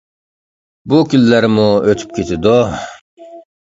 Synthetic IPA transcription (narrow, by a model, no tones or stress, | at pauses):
bʊkʲylːæɾmuøt̪ʰy̥p̚kʲʰet̪ʰɪd̪o